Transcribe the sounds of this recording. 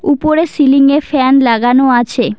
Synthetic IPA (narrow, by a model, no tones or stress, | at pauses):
upoɾesiliŋeɾfɛnlaɡanoat͡ɕʰe